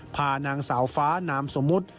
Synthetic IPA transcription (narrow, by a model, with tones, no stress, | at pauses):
pʰaː˧naː˧ŋsaː˩˦wfaː˦˥naː˧˥mso˩˦mːu˦˥t̪̚